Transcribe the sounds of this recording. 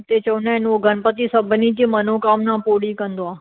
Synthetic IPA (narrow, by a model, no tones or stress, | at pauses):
t̪et͡ʃɐunãɪnoɡʱənpət̪isəbʱnitimənokaːmnãpoːɽikɐ̃nd̪oaː